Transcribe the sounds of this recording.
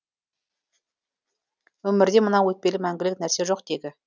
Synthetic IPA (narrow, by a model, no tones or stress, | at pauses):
wɵmɪɾd̪e̞mənɑwɵt̪̚pe̞lɪmæŋɡʲɪlɪknæɾse̞ʒo̞qd̪̥e̞d̪ʲɪ